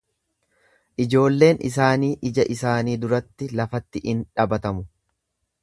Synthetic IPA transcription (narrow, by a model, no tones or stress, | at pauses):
ʔɪd͡ʒo̞ːlːe̞ːnʔɪ̰s̬aːniːʔɪd͡ʒɐʔɪsaːniːd̪ʊɾɐt̪ːɪlɐfɐt̪ːɪʔɪnᶑɐbɐt̪ɐmʊ